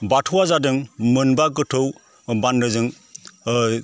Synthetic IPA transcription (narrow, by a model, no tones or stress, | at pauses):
batʰuwazadɯŋmɯnbaɡɯtʰɯw | banɾɯzɯŋ